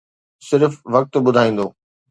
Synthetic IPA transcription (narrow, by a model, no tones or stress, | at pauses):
sɪɾfʋɐk̚t̪ɓʊd̪ʱaːĩːn̆d̪oː